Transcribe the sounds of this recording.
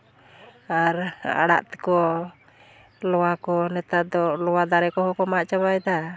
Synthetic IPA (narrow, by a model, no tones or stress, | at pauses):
aɾa̰ɽa̰ʔt̪ɛ̥kɔ | lɔwakɔnɛt̪ad̪ɔlɔwad̪aɾɛkɔɦɔkɔmaʔt͡ʃabajd̪a